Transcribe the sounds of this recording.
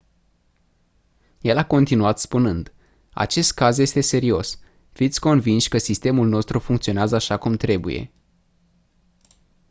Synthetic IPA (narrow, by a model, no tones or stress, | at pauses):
je̞lako̞nt̪inuat̪spunɨnd̪ | a̰t͡ʃe̞st̪̚kazje̞st̪e̞se̞ɾio̞s | fit̪sʲko̞nvinʃʲkəsist̪e̞mulno̞st̪ɾufuŋkt̪sio̞neazəaʃakumt̪ɾe̞bṵje̞̰